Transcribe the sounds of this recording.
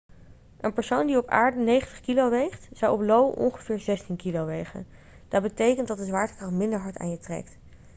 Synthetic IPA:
ʔənpəɹsowndiɔpa̰ːɹdənejχəntəχkilowʋejχtzawɔplowɔ̰nχəvɪːɹzɛstinkilowʋejχə̰n | d̥ɑt̚bətejkəntdɑt̚dəzʋaːɹtə̥krɑχtmɪndəɹɦɑɹta̰ːnjətrɛ̰k̚t

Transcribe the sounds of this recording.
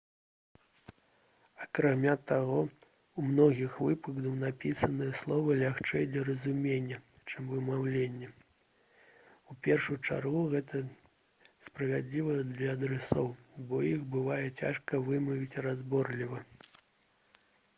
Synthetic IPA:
ɐkɾamʲat̪aɣɔ | umnɔɣʲixvɨpɨɡd̪ɐwnapʲisɐnɨjɐslˠɔvɐlʲaxt͡ʂɛjd̪lʲɐɾɐzumʲenʲːɐ | t͡ʂɨmvɨmawlʲenʲːɐ | upʲɛrʂujt͡ʂa̰rɣuɣɛt̪ɐ | spɾɐvʲad̪ʲlʲivɐd̪lʲɐːd̪ɾɛsɔwbɔjixbɨvajɛt͡sʲa̰ʂkɐvɨmɐvʲit͡sʲrazbɔrlʲivɐ

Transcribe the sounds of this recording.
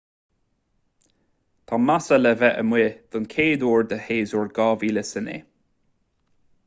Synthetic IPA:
t̪ʰamasələvɛʔəmweːd̪̥ʊnkʰeːd̪oːɹd̪əheːzɔɹɡɑːviːləsənḛː

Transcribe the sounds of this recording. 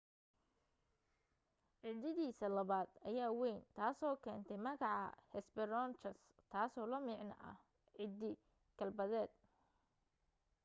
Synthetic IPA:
ʕɪd̪ɪðiːsɐlɐβaːd̪ɐjaːwɛjnt̪ʰaːsɔːkʰɛːnt̪ʰɛmɐɣɑʕɑ̰hɛsbɪɾɔnt͡ʃɐs | t̪ʰaːsɔːlɐmɪʕnɐʔɐ̰h | ʕɪd̪ɪ | ɡ̥ʰɐlbɐðɛːd̪

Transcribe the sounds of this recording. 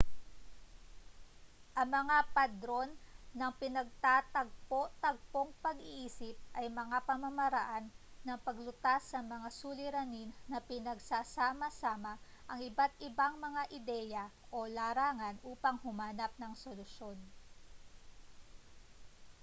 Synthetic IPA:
ʔɐŋmɐŋapɐd̪ɾo̞nːɐŋpɪnɐɡ̚t̪aːt̪ɐɡ̚po̞ʔt̪ɐɡ̚po̞ŋpɐɡɪʔiːsɪp̚ʔɐjmɐŋapɐmɐmɐɾɐʔanːɐŋpɐɡlʊt̪asːɐmɐŋasuːlɪɾɐninːɐpɪnɐɡsasaːmɐsaːmɐʔɐŋɪbat̪̚ʔɪbaŋmɐŋaʔɪd̪ɛjɐ | ʔolaːɾaːŋɐnʔuːpɐŋhʊmaːnɐp̚nɐŋsolʊʃjo̞n

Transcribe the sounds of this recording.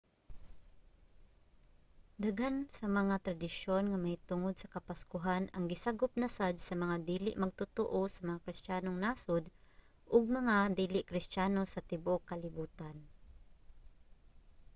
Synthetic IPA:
d̪aɡansɐmɐŋat̪ɾɐd̪ɪʃonŋɐmɐit̪ʊŋod̪̚sɐkɐpaskʊɦanɐŋɡɪsaɡʊp̚nɐsad̪sɐmɐŋad̪iːlɪʔmɐɡ̚t̪ʊt̪oʔosɐmɐŋakɾɪst̪aːnoŋnaːsʊd̪ | ʔʊɡ̚mɐŋad̪iːlɪʔkɾɪst̪aːnosɐt̪ɪbokɐlɪbuːt̪an

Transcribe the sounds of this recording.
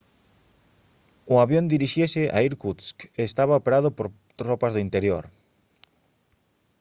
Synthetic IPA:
ʊaβjond̪iɾiʃesɪʔa̰iɾkuskeːst̪aβaopeɾaðʊpoɾ | t̪ropazðʊint̪eɾjoɾ

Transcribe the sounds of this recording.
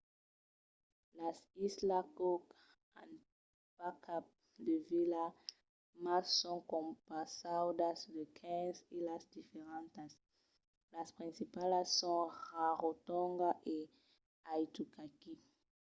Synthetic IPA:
lasislakok | a̰n | pakap̚ | d̪evila | masːɔ̃ŋkõmpasawdasdekʰɛ̃nzilasd̪ifeʁãntas | laspʁĩnsipalasːɔ̃nʁaʁot̪ɔ̃ŋɡaʔe | ajt̪ukaki

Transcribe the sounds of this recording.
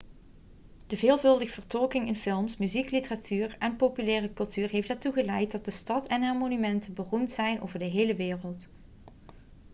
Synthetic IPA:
d̥əveːlˠvɵlˠdəɣəv̥əɹtɔlkɪŋɪnfɪlˠmsmyziklitəratʰyːrɛnpowpylɛːrəkɵlˠtyːɹɦejftɛɹtuɣəlɛjt̚dɑt̚dəstɑtɛnɛːɹmonymɛntənbərumtsɛjnʔo̰wvəɹdəɦejləʋɪːrəlˠt

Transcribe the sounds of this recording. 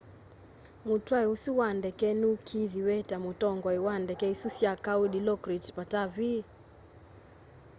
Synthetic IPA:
mutwaiusuwandɛkɛnukʰiðiwɛtamutɔŋɡɔiwandɛkɛisusjakawuɗilɔkɾitpatavi

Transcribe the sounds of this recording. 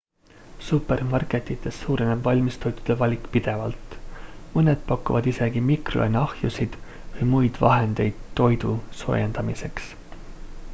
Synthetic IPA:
supːe̞rmɑrke̞t̪ːˑit̪ːˑe̞sːuːɾeneb̥vɑlʲmist̪o̞jt̪ːˑu̥d̪̥evɑlʲikːˑpid̪̥e̞vɑlt̪mɤne̞d̪̥̚pɑkːˑuvɑd̪̥ise̞ɡ̥imikro̞̰jnɑhjusid̪̥ | vɤjmujd̪̥vɑ̰ɦe̞nd̪̥e̞jd̪̥t̪ːo̞jd̪uso̞̰ːjend̪̥ɑmise̞ks

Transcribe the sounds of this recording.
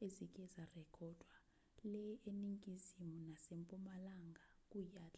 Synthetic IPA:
ezik̬ʼɛzarɛkʰɔd̥ʱwa | lɛjʔeniŋkʼizimunasempʼumalaŋɡʱakʼujaːt͡ɬʼa

